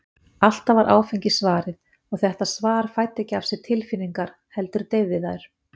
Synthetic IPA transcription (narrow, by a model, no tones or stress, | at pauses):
al̥t̪avaɾʔa̰ːwfeɲcɪsvaːɾɪð | ɔɣθɛht̪asvaːɾfajt̪ɛcɪafsɪ̥t̪ʰɪlfinːiŋkaɾ̥ | hɛl̪t̪ʏɾ̥t̪ejvːɪðaɾ̥